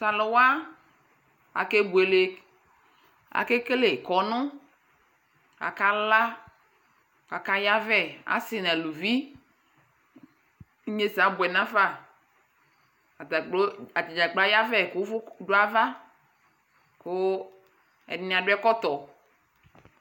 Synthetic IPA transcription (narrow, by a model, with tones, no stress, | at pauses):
sa˨lo˨wa˦ | a̰˨ke˦bu˨e˨le˨ | a̰˨ke˦ke˦le˨kɔ˨nʊ̃˦ | a̰˨ka˦la˦ | ka˨ka˦ja˦vɛ˦a̰˨sɪ˦nã˨lu˨vi˦ | ɲe˦sa˨bwɛ˨nã˦fa˦˨ | o˦a˨d͡ʒi˨d͡ʒa˨ɡ͡ba˦ja˦vɛ˦ko˦vdo˦a˦va˦ | ko˦ | ɛ̰˨n˨nĩ˨a˨ɖo˦ɛ˦kɔ˦t̪ɔ˨